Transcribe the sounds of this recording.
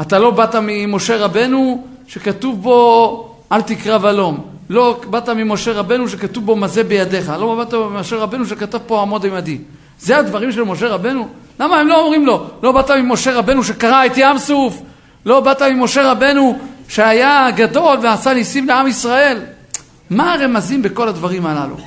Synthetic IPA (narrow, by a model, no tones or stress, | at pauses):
at̪alo̞bat̪amimo̞ʃe̞ʁabe̞nu | ʃe̞kat̪uvbo̞ | alt̪ikʁavalo̞m | lo̞bat̪amimo̞ʃe̞ʁabe̞nuʃ̬e̞kat̪uvbo̞maze̞bejad̪e̞χalobat̪amimoʃe̞ʁabe̞nuʃ̬ekatavpo̞amo̞d̪ajmad̪i | ze̞ad̪vaʁimʃe̞lmo̞ʃe̞ʁabe̞nulamaemlo̞ːmʁimlo̞lo̞bat̪amimo̞ʃe̞ʁabe̞nuʃe̞kaʁaet̪iamsuf | lo̞bat̪amimːo̞ʃe̞ʁabe̞nuʃe̞ajaɡad̪o̞lveasanisimleamisʁae̞l | maʁe̞mazimbe̞ko̞lad̪vaʁimala̰lṵ